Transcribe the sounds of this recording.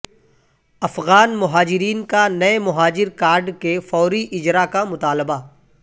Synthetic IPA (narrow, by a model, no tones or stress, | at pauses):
ɐfɣaːnmʊɦaːd͡ʒɪɾiːnkanɐemʊɦaːd͡ʒɪɾkaːɾɖkefɔːɾiʔɪd͡ʒɾakamʊt̪aːlɪba